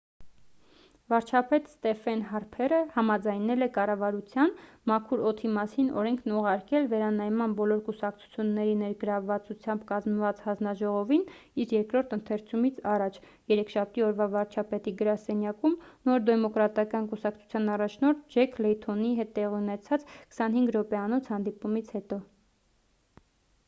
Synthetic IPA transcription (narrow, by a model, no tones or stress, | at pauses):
vɑɾt͡ʃʰɑpɛt̪st̪ɛfɛnɦɑɾpʰɛrəhɑmɑd͡zɑjnɛlɛkɑrɑvɑɾut͡sʰjɑnmɑkʰuɾɔt̪ʰimɑsinɔ̰ɾɛŋkʰnuʁɑɾkɛlvɛɾɑnɑjmɑnbɔlɔɾkusɑkt͡sʰu̥t͡sʰjunːɛɾinɛɾɡəɾɑvːɑt͡sut͡sʰjɑmbkɑzməvɑt͡shɑnznɑʒɔʁɔvin | iɾjɛɾkɾɔɾt̪ʰənt̪ʰɛɾt͡sʰumit͡sʰɑrɑt͡ʃʰ | jɛɾɛkʰʃɑp̚ʰt̪iɔɾvɑvɑɾt͡ʃʰɑpɛt̪iɡəɾɑsɛnjɑkumnɔɾd̪ɛmɔkɾɑt̪ɑkɑnkusɑkt͡sʰu̥t͡sʰjɑnɑrɑt͡ʃʰnɔɾt̪̚d͡ʒɛkʰlɛjt̪ʰɔniɦɛt̪ːɛʁiunɛt͡sʰɑt͡skʰə̥sɑnhiŋɡɾɔpɛɑnɔt͡sʰhɑnd̪ipumit͡sʰhɛt̪ɔ